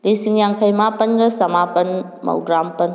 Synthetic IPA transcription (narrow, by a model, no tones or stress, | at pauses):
lisiŋjaŋkʰɐjmapɐnɡɐsɐmapɐn | mɐ̰wdɾampɐn